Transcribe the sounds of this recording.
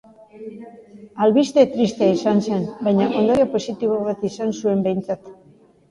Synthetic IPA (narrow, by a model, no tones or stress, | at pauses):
alβist̪e̞t̪ɾist̪eaisanse̞nbajɲaʔo̞nd̪oɾjopo̞sit̪iβ̞o̞βat̪isansue̞mbe̞jnt͡sat̪